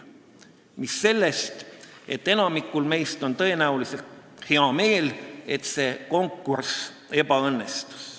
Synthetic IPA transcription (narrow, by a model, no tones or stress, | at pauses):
misːe̞lːest̪e̞t̪ːe̞nɑmikːˑulme̞jst̪o̞nt̪ɤ̞e̞næulise̞lt̪he̞ɑme̞ːle̞t̪se̞ko̞ŋkːˑuɾs | e̞bɑɤnːe̞st̪u̥s